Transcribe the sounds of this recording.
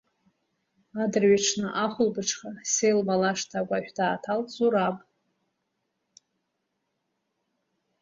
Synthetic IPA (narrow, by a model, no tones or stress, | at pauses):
adɨrɥiʈ͡ʂʰnɨʔaχʷʊlbɨʈ͡ʂʰχasejlmalaʂtʰakʷʼaħᶣdaːtʰalzuɾapʼ